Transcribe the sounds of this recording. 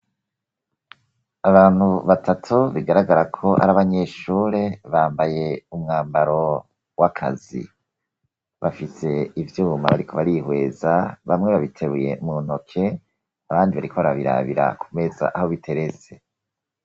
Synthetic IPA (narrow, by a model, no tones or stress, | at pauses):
aβaːn̥huβatʰatʰuβiɡaɾaɡaɾakʰo̞ʔa̰ɾaβaɲe̞ːʃuːɾeβaːmbaje̞umŋaːmbaɾo̞ | wakʰa̰zḭ | βafise̞ivjuːma̰βaɾikʰo̞βaɾihwe̞ːzaβamŋe̞βaβitʰe̞ɾuje̞̰mun̥o̞kʰe̞ | aβaːndiβaɾikʰo̞βaɾaβiɾa̰βḭɾa̰kʰume̞za̰ʔaho̞βitʰe̞ɾe̞t͡se̞